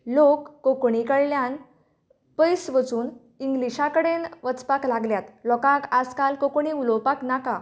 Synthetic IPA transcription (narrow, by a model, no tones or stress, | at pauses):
lokːokɳikəɭljãn | pəjsʋət͡suːn | iŋɡliɕakəɽenʋət͡spaklaɡljat̪lɔkãkad͡zkalkokɳiulowpaknaka